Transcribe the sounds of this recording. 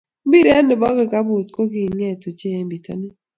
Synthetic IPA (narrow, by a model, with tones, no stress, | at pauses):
m˦bi˦ɾɛ˦nɪ˨bɔ˦ɡɪ˨ka˦bu˨t̚ko˦ɡi˨ŋɛ˦˨to˨t͡ʃɛ˦˨mbi˨ta̰˦ni˦